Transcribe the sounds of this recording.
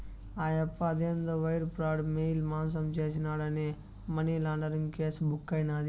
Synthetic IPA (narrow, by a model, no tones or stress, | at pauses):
aːjɐpːaːd̪end̪ɐʋɐjɾpɾaːɽmeilmaːns̬ɐmt͡ʃɐːt͡ʃinaːɽɐne | mɐnelaːɳɖɐɾinkeːsbʊkːajnaːd̪